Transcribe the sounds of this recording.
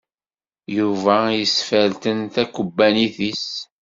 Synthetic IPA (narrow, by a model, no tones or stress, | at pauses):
juvæjəsfælt̪ənθækːəbːæniθis